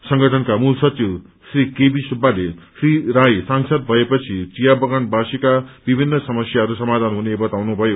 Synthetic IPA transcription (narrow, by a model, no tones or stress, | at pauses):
sʌŋɡʌʈʰʌnkamulsʌt͡siw | srikebisubːalesriɾajsaŋsʌd̪̚bʱʌepʌt͡sʰit͡sijabʌɡʌnbasikab̥ibʱinːʌsʌmʌsjaʌɾusʌmad̪ʱanɦunebʌt̪awnubʱʌjo